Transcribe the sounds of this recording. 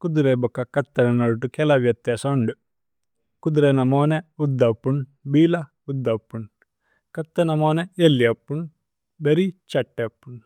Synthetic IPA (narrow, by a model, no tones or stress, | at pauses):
kud̪uɾebɔkːɐkɐt̪ːɐnɐnɐɽuʈukɛlɐʋjɐt̪jaːsɐɳɖu | kud̪uɾenɐmoːneud̪ːɐpːuɳbiːlɐ | ud̪ːɐpːuɳ | kɐt̪ːɐnɐmoːneelːijɐpːuɳ | beɾit͡ʃɐʈːepːuɳ